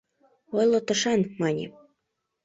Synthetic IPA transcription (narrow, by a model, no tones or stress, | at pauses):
ojlˠot̪ə̆ʃɑnmɑnʲḛ